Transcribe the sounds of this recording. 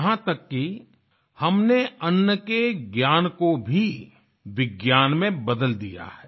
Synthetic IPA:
ɦãt̪ɐkːi | hɐmneɐnːəkeɡjaːnkobʱi | ʋɪɡjaːnmẽbɐd̪əld̪ija̰ɦɛː

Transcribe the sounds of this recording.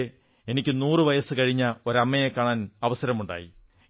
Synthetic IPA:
e̞nikʲːɨnuːrɨʋɐjɐsɨkɐɻiɲːɐo̞ɾɐmːɐjekaːɳaːnɐʋɐsɐɾɐmuɳɖa̰ːjḭ

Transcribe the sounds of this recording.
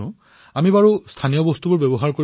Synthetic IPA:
ʊ̃ | amibaɹustʰanijɔbɔstubʊɹbebɔɦaɹkoɹ

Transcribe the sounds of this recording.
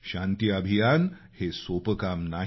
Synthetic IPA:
ɕãnt̪iəbʱijan | hesopəkamna

